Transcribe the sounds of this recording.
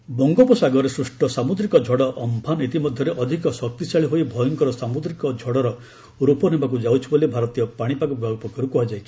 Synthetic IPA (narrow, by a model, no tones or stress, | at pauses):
bɔŋɡɔpɔsaɡɔɾesɾusʈɔsamud̪ɾikɔd͡ʒʱɔɽɔʔɔmpʰanit̪imɔd̪ʱjɔɾeʔɔd̪ʱikɔsɔk̚t̪isaɭiɦoibʱɔjɔŋkɔɾɔsamud̪ɾikɔd͡ʒʱɔɽɔɾɔ | ɾupɔnebak̬ud͡ʒawt͡ʃʰibolibʱaɾɔt̪ijɔpaɽ̃ipakubaɡɔpɔkɔɾukuɦad͡ʒaj